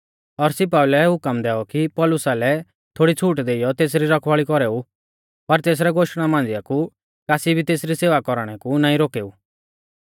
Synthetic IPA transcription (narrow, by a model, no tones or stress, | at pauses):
ɔɾsɪp̬aːulɛɦʊkəmd̪ɛːɔkipɔːlʊsalɛ | t̪ʰoːɽit͡sʰuːʈd̪eɪjɔt̪eːs̬ɾiɾɔkʰʋaːɭikɔɾɛːu | pɐɾt̪eːs̬ɾɛɡoːʃɽ̃amãːnd͡ziaku | kaːsibʱit̪eːsɾiseːʋakɔɾɽ̃ɛkunãːĩɾoːkeːu